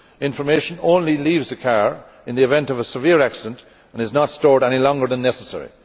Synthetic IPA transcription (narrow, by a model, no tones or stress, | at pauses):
ɪ̃ɱfə˞meɪʃə̃nõʊ̃nliliːvzɨkʰaɹ | ɪ̃nðiɨvɛ̃ntʌvəsɨvɪɹæksɪdə̃nt | ə̃nɨznətstɔɹɾɛñilɔ̃ŋɡə˞ðə̃nːɛsəsɛ̰ɹḭ